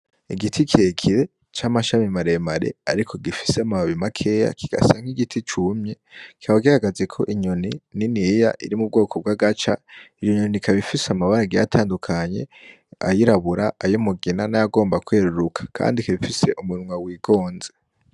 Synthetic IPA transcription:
iɡitʰikʰiekʰiɾe̞ | t͡ʃamaʃamimaɾemaɾe̞̰aɾikʰo̞ɡifi̥seamaβaβimakʰe̞ːja̰kʰiɡ̥a̰saŋ̥iɡitʰit͡ʃumɲe | ki̥aβaɡihaɡazekʰo̞ʔiɲonininijaʔiɾimub̚ɡo̞ːkʰob̚ɡaɡat͡ʃaijoɲonikʰaβifiseamaβaɾaɡija̰tʰaːndukʰaɲe̞̰ | a̰jiɾaβuɾaajomuɡinanajaɡo̞ːmbakweːɾuɾukʰḁkʰa̰ːndikiβifise̞ʔumuɾumŋwawiːɡo̞ːnze

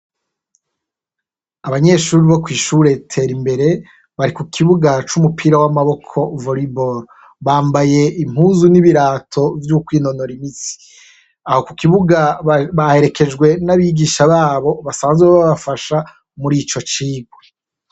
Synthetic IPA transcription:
aβaɲe̞ʃuːɾiβo̞kwiːʃuɾe̞tʰe̞ːɾimbe̞ɾe̞ | βaɾikukʰiβuɡat͡ʃumupʰiɾawamaβo̞kʰo̞voɾiboɾ | βaːmbaje̞im̥uːzuniβiɾaːtʰo̞vjukwiːno̞no̞ɾimisi̥ | aho̞kukiβuɡaβahe̞ɾe̞kʰe̞d͡ʒɡwe̞naβiɡiːʃaβaːβo̞βasaːnzweβaβafaʃa | muɾiːt͡ʃo̞t͡ʃiːɡwe

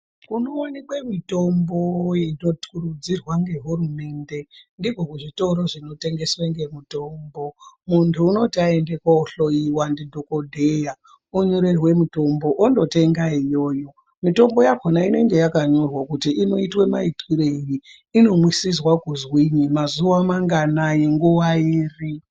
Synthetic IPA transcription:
kunoːnekwemito̞mbojeno̞tkurud͡zirwaŋɡe̞ɦurume̞ːnde̞ndikokuʐito̞ɾo̞ʐino̞te̞ŋɡe̞sweŋɡe̞muto̞mbo̞muntʰuːno̞tiaende̞kaoɬoiwandidʱokodʱeja | uɲo̞ɾe̞rwe̞muto̞mbo̞ʔondo̞te̞ŋɡaijo̞ːjo̞ | mito̞mbo̞jakonaine̞ŋɡe̞jakaɲo̞rwakutiʔino̞itwe̞maitwiɾeiji | ino̞mwisizwakuzwiɲimazuwamaŋɡanajeŋɡuwaiːri

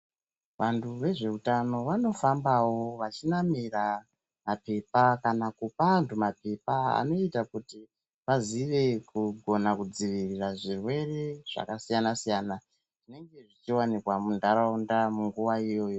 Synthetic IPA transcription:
ʋantʰuʋe̞ʐe̞utano̞ʋano̞fambawo̞ʋat͡ʃinamira | mape̞pakanakupantʰumape̞paa̰no̞itakuti | paziʋe̞kuɡʱo̞nakud͡ziʋiriraʐirwe̞re̞ʐ̥a̰kasijanasijaːna | ʐine̞ŋɡe̞ʐit͡ʃiwanikwamundaɾaundamuŋɡuʋaijo̞ːjo

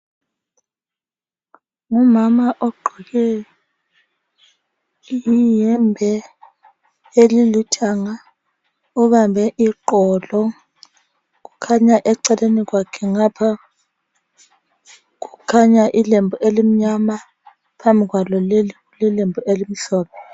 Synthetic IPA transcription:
ŋumamaʔɔɡ͡ǃʱiɣɛ | jijɛmbʱɛ | elilitʰaŋa | uβambʱɛʔiǃɔlɔ | k̬ukʰaɲaʔɛǀɛlenikwakʰɛŋapʰa | k̬ukʰaɲaʔilembʱuelim̩ɲama | pʰambʱik̬walɔleliulɛlembʱuʔelim̩ɬɔːɓɔ

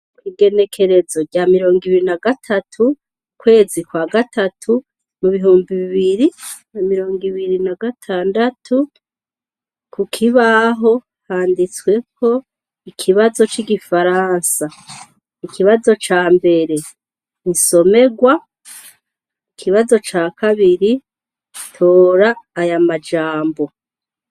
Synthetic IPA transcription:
kwiɡe̞ne̞kʰe̞ɾe̞zo̞ɟamiɾo̞ːŋɡiβiɾinaɡatʰatʰu | kwe̞ːzikwaːɡatʰatʰu | muβiɦuːmbiβiβiɾinamiɾo̞ːŋɡiβiɾinaɡatʰaːndatʰu | kukʰiβaɦo̞ | haːndit͡swe̞kʰo̞ | ikʰiβazo̞t͡ʃiɡifaɾaːnsa | ikiβazo̞t͡ʃaːmbe̞ɾe̞ | inso̞me̞ɡwa | ikʰiβazo̞t͡ʃaːkʰaβiɾi | tʰoːɾaːjamad͡ʒaːmbo̞

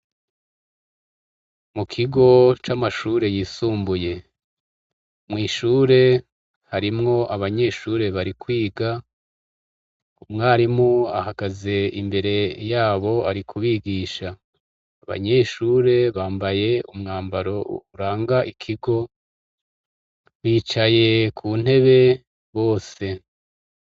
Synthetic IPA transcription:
mukʰiɡo̞t͡ʃamaʃuːɾe̞jiːsuːmbuje̞ | mŋiːʃuːɾe̞ | haɾimŋo̞ʔaβaɲe̞ːʃuːɾe̞βaɾikwiːɡa | umŋaːɾimua̰haɡaze̞ḭmbe̞ɾe̞jaːβo̞aɾikʰuβiːɡiːʃaː | βa̰ɲe̞ːʃuːɾe̞βaːmbaje̞umŋaːmbaɾo̞uɾaːŋɡaʔikʰiɡo̞ | βiːt͡ʃaje̞kʰun̥e̞βe̞ | βo̞ːse̞

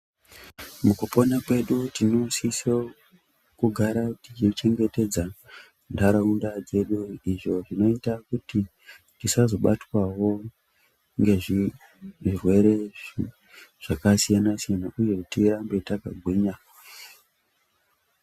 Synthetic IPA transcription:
mukuponakwe̞ɗutinosiso | kuɡʱaɾatit͡ʃit͡ʃe̞ŋɡe̞te̞d͡za | ndaɾaundad͡ze̞ɗuiʐo̞ʐino̞itakuti | tisazo̞ɓatwawo̞ | ŋɡe̞ʐi | ʐirwe̞ɾe̞ | ʐ̥akasijanasijanaʔuje̞tirambe̞taka̰ɡʱwiːɲa

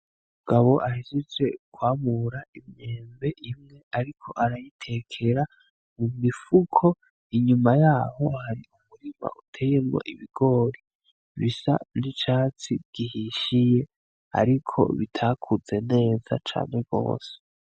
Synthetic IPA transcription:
umuɡ̥aβo̞ʔahizize̞kwaːmuɾaimɲeːmbe̞ʔimŋe̞aɾikʰo̞̰ʔaɾajitʰe̞kʰe̞ɾa | mumifukʰo̞ | iɲumajaːho̞haɾiumuɾima̰ʔutʰe̞ːjemŋo̰ʔiβiɡ̥o̞ɾi | βisa̰nit͡ʃaːt͡sibɡihiʃije̞ | a̰ɾikʰo̞̰βitʰakʰuz̥e̞ne̞ːza̰t͡ʃa̰ːne̞b̚ɡ̥o̞̰ːse̥

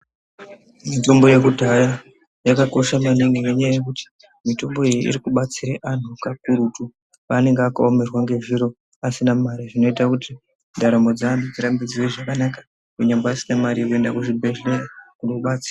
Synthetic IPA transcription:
mito̞mbo̞je̞kudʱaja | jakako̞ʃamaniŋɡeŋeɲajajek̬uti̥ | mito̞mbo̞ejḭʔḭɾikuɓat͡siɾeʔan̤ukakuɾutu | pane̞ŋɡeakaome̞rwaŋɡe̞ʐiɾo̞ | asinamaɾiʐino̞itakuti | ndaɾambo̞d͡zaanud͡ziɾambid͡ziweʐakanakḁ | keɲambaasinamaɾijekue̞ndakuʐibʱe̞ɮe̞rakunokuɓat͡si̥ra

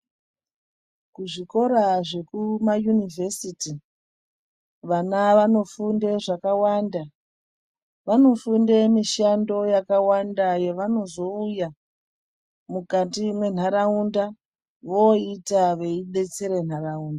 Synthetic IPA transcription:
kuʐiko̞ɾaʐe̞kumajunivʱe̞siti | ʋanaʋano̞funde̞ʐakawanda | ʋano̞funde̞miʃando̞jakawandajeʋano̞zo̞uja | mukatimwe̞n̤aɾaunda | ʋoitaʋe̞iɓe̞t͡se̞ɾe̞n̤arauːnda

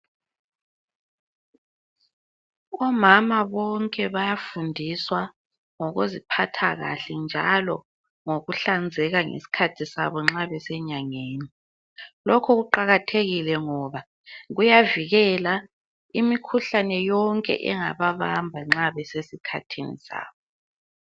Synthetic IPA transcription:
ɔmamaβɔŋkʼɛβajafundʱiswa | ŋɔɣozipʰatʰaɣa̰ɬɛnd͡ʒʱa̰lɔ | ŋoɣuɬand͡zʱɛɣaŋḛsi̥kʰatʰisa̰βɔŋ͡ǁaβɛsɛɲaŋeːni | lɔkʰɔɣuǃaɣatʰeɣilɛŋɔβa | ɣujaviɣɛla | imikʰuɬanɛjɔŋkʼɛ̰ʔɛŋa̰βaβambʱaŋ͡ǁaβɛsesikʰa̰tʰinḭsa̰ːβɔ

